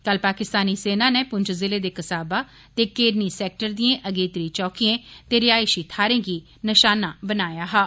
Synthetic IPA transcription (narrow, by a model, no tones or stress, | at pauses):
kəlpaːkɪst̪aːniːseːnãːneːpʊɲd͡ʒzɪleːd̪eːkəsaːbaː | t̪eːkeːɾniːsɛːk̚ʈəɾd̪iːẽːʔəɡeːt̪ɾiːt͡ʃɔːkiːẽːt̪eːɾɪaːɪʃiːt̪ʰaːɾẽːɡiː | nəʃaːnaːbənaːjaːɦaː